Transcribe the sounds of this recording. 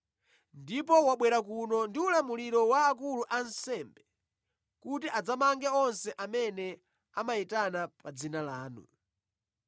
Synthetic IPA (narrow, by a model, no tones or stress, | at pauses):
ndipɔwaɓwɛɾak̬unɔndiulamuliɾɔwaːk̬uluʔansɛmbɛ | kutiʔad͡zamaŋɡɛɔnsɛʔamɛnɛ | amaitanapad͡zinalaːnṵ